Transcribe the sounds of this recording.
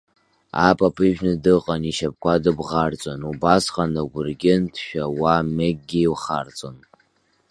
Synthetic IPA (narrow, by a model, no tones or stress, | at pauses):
a̰pʼapʼɨʒᶣnɨdɨqʼaniʃap̚kʷadɨbʁart͡sʷʼonubasqʼanaɡʷʊrɡʲɪntʰʃᶣawameɡ̚ʼɡʲiiwχa̰rt͡sʼon